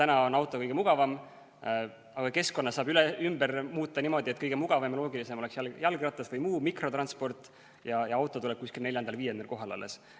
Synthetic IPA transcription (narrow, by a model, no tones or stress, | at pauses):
t̪ænɑo̞nɑwt̪ːˑo̞kɤjɡ̥emuɡ̥ɑvɑm | ɑɡ̥ɑke̞sko̞nːɑsɑːbylɛymb̥ɛrmuːt̪ːˑɑnimo̞d̪̥iet̪̚ːˑkɤjɡ̥emuɡ̥ɑvɑmlo̞ːɡilise̞molɛksjæljælɡirɑt̪ːˑɑsvɤjmuːmikro̞t̪rɑnspo̞rt̪ˑ | jɑjɑɑwt̪ːˑoulɛb̥̚kuskilne̞ljɑnd̪ɑlviːjend̪elkoɦɑlɑ̰lːes